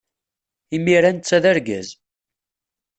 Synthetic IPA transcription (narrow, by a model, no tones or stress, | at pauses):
imiɾænt͡sːæðəɾɡæ̰z